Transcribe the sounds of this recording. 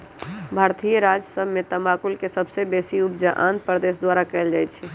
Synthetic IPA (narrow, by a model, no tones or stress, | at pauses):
bʱaːɾt̪ijɾad͡ʒəsəbʱmet̪əmakulkesəbsebeːsiubd͡ʒaʔã̰nt̪̚pɾd̪eːsd̪waːɾakɛɪld͡ʒaːjt͡ʃʰɛ